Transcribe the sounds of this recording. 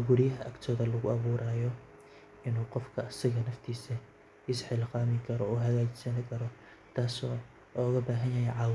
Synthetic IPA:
ɡʊɾɪjɐɦɐʔɐkt̪ʰɔːðɐlɐɣʊɐβuːɾaːjɔ | ɪnuːqɔfkʰɐɐsɪɣɐnɐft̪ʰiːsɐ | ɪsħɪlqɑːmɪkʰɐɾɔuːɦɐɣaːt͡ʃɪ̥sɐnkʰɐɾɔ | t̪ʰaːsɔ | ʊɣɐbaːɦɐnjɐɦɛjʕɑːw

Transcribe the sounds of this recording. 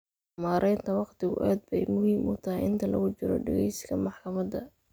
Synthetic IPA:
maːɾʔɛjnt̪ʰɐwɑqt̪ɪɣʊ̰ʔaːd̪̚bɛjmʊhiːmʔɔt̪ʰaːʔɪnt̪ʰɐlɐɣʊt͡ʃɪɾɔ̰ɖɛɣɛjsɡɐmɑħkʰɐmɐd̪ɐ

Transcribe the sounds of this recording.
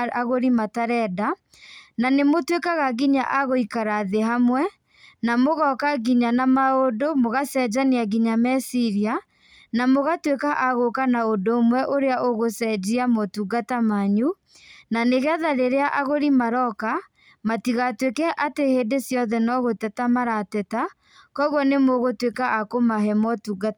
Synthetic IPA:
aɣoɾimataɾɛda | nanemotwekaɣaɣiɲaʔaɣoikaɾaðeɦamwɛ | namoɣɔkaɡiɲanamaodomoɣasɛd͡ʒaneaɡiɲamɛsiɾia | namoɣatwekaʔaɣokanaodomwɛʔoɾeaʔoɣosɛd͡ʒiamɔtuɡatamaɲu | naneɣaðaɾeɾeaʔaɣoɾimaɾɔka | matiɣatwekɛʔateheːndesjɔðɛnɔɣotɛtamaɾatɛta | kɔɣwɔnemoɣotwekaʔakomaɦɛmɔtuɡata

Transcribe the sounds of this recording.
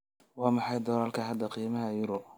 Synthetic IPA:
wɑːmɑħɑjd̪ɔlaːlkʰɐɦɐd̪ːɐqiːmɐɦɐjʊɾʊ

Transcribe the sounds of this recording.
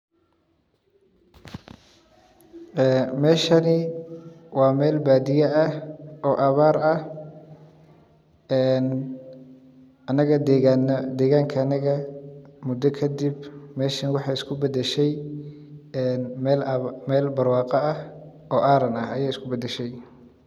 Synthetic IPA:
ɛmɛːʃɐnɪ | wɑːmɛːlbaːd̪ɪjɐɐhʔɔːʔɐβaːɾɐh | ɛːn | ɐnɐɣɐ | d̪ɛːɣaːŋkʰɐnɐɣɐmʊd̪ɐkʰɐd̪ɪbmɛːʃɐnwɑħɑjɪskʰʊbɐd̪ɛʃɛj | ɛːnɛːlmɛːlbɐrwɑːqɐɐh | ʔɔːʔaːɾɐnɐɦɐjeːjɪskʰʊbɐd̪ɛʃɛj

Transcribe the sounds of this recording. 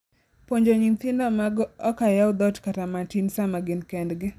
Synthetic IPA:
poɲd͡ʒoɲint̪indɔmaɡɔɔkajaud̪ɔtkatamatinsamaɡɪnkɛndɡɪ

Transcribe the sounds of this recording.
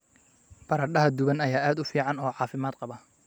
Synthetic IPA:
b̥ɐɾɐɖɐɦɐd̪ʊβɐnɐjaːʔaːd̪ʊfiːʕɑnɔːʕɑːfɪmaːd̪qɑβɐ

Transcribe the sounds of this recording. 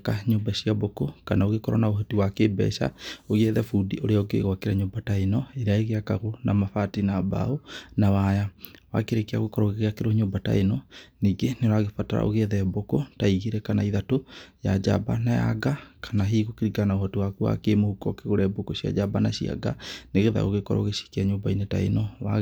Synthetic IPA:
kaɲoːmbaɕiabokokanaoɣekɔɾɔnaoɦatiwakebɛ̰ʃa̰oɣɛðɛfudiʔoɾeɔoɡḛɣwakeɾaɲoːmbataenɔeɾeaeɣeakaɣonamafatinaba̰onawajawa̰keɾekea̰ɣokɔɾɔɣeɣeakeɾooɲoːmbata̰enɔniːɡeneɾoaɣefata̰ɾa̰ʔo̰ɣeðɛbokɔtaiɣiɾɛkanaiðatojad͡ʒa̰banaja̰ɡakʰanaɦiːɣokeɾikanaohatowakua̰kemohukɔkeɣoɾɛbokɔɕia̰d͡ʒabanaɕia̰ɡa̰neɣeða̰ɣo̰ɣekɔɾɔ̰ɣeʃe̥keaɲoːmbaineta̰ḛnɔwa̰

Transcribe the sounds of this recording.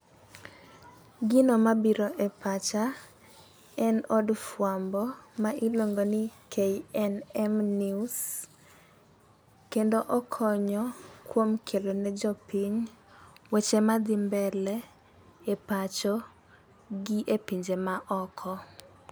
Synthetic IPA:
ɡɪnomabiɾoʔɛpat͡ʃa | ɛnɔdfwambɔmaʔiloŋɡonikʰeiɛnɛmnius | kendoʔɔkʰɔɲɔkwomkʰelonɛd͡ʒɔpiɲ | wɛt͡ʃɛmad̪ɪmbɛlɛ | epat͡ʃɔ | ɡiʔepiɲd͡ʒemaʔɔkʰɔ

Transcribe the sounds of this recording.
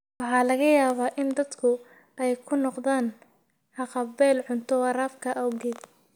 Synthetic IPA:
wɑħɑːlɐɣɐjaːβaːʔɪnd̪ɐd̪kʰʊ | ɛjkʰʊnɔqðaːn | ħɑqɑbɛːlʕʊnt̪ʰɔwɑɾaːfkʰɐʔɐwɡɛːd̪

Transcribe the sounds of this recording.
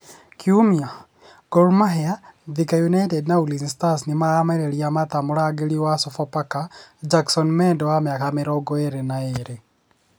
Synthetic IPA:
kʰiumia | ɡ̥ɔɾmaɦɛaðikajunajtɛdnaulinstasnemaamɛɾeɾiamat̪amoɾaɡeɾiwasɔfɔpakad͡ʒaksɔnmɛndɔwamjakameɾɔɡɔeɾenaeɾe

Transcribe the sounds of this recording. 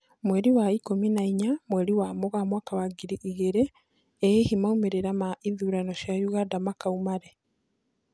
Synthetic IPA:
mweɾiwaikominaiɲamweɾiwamoɣamwakawaɡiɾiʔiɣeɾeː | ihimaumeɾeɾamaʔiðuɾanoʃjajuɣadamakaumaɾe

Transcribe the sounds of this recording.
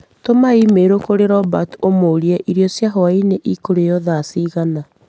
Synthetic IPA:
tomaimeɾokoɾeɾɔbatomoːɾiɛʔiɾjɔsjaɦɔaineʔikoɾejɔðasiɣana

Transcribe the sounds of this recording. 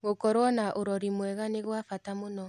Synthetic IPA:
ɣokɔɾwɔnaʔoɾɔɾimwɛɣaneɣwafatamonɔ

